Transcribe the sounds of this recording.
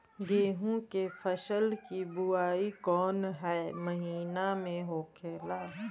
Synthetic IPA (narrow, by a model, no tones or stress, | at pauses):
ɡeːɦũkefʰəʃəlkibʊaːikɔːnɦɛːmɐɦiːnamẽɦoːkʰeːlaː